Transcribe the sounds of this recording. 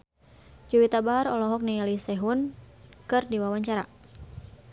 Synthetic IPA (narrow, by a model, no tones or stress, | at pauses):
d͡ʒuwit̪abaɦaɾɔlɔɦɔk̚nialisɛɦun | kɨrdiwawaɲt͡ʃaɾa